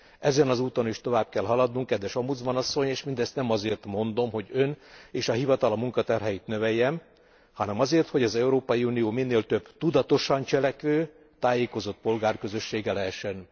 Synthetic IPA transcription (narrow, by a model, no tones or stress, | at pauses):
ɛzɛnɒzuːt̪o̞niʃt̪o̞vaːb̚kɛlɦɒlɒd̪nuŋkːɛd̪ʋɛʃomud̪zbɒnɒsːo̞ɲeːʃmind̪ɛst̪nɛmɒzeːrt̪mo̞nd̪o̞mɦo̞ɟøneːʃɒɦivɒt̪ɒlɒmuŋkɒt̪ɛrɦɛjit̪nø̞vɛjːɛn | hɒnɛmɒzeːrt̪ho̞ɟɒzɛuɾoːpɒjiunijoːminːeːlt̪ø̞b̥t̪ud̪ɒt̪o̞ʃɒnt͡ʃɛlɛkøː | t̪aːjeːko̞zo̞t̪̚po̞lɡaːrkø̞zø̞ʃːeːɡɛlɛɦɛʃːɛn